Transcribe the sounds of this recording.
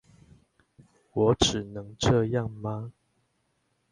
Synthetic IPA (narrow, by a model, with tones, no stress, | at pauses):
wɔ˨˦ʈ͡ʂɻ̩˨˩nɤ˨˦ŋʈ͡ʂɤ˥˧jɑ˥˨ŋma˦